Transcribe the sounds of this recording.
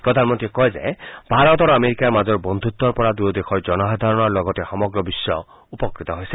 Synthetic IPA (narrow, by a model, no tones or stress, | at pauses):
pɾɔd̪ʱanmɔnt̪ɾikɔed͡ʒebʱaɾɔt̪ɔɾɔameɾikaɾmad͡ʒɔɹbɔnd̪ʱut̪ːɔɾpɔɾad̪uɔd̪exʰɔɾd͡ʒɔnɔɦad̪ʱaɾɔnɔɾlɔɡɔt̪exɔmɔɡɾɔbisːɔ | upɔkɾit̪ɔɦojse